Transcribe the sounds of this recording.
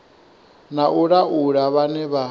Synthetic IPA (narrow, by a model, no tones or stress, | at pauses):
naʔuɺaʔuɺaβanɛβa